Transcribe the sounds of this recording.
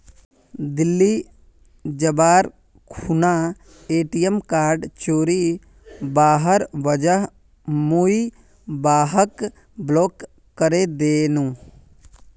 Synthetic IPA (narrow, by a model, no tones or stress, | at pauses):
d̪ɪlːiː | d͡ʒəbaːɾ | kʰunaː | eːʈijəmkaːɾɖt͡ʃoːɾi | baːɦəɾʋəd͡ʒəɦ | mui | baːɦək | bloːkː | əɾeːd̪eːnũː